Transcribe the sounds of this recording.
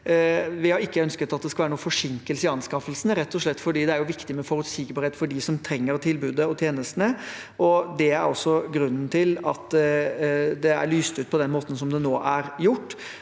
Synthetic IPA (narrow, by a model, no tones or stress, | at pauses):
ʋɪhɑɾɪkːəœnskət̪ɑt̪̚d̪ɛskɑʋæːɾənuːəfɔʂɪŋkəlsɪɑnskɑfəlsnɾɛt̪ːɔʂɭɛt̪ːfɔɖiːd̪ɛæɾjʊʋɪkt̪ɪmɛfɔɾʉt̪siɡbɑːɾheːt̪fɔɖɪsɔmt̪ʰɾɛŋːəɾt̪ʰɪlbʉːd̪əɔt̪ʰjeːnəst̪ənə | ʔɔd̪ɛæɾɔsːɔɡɾʉnːn̩t̪ʰɪlɑ̰t̪ | d̪ɛæ̰ɾɭyːst̪ʉːt̪̚pʰɔd̪ɛnmoːt̪n̩sɔmd̪ɛnoːʔæɾjʊʈː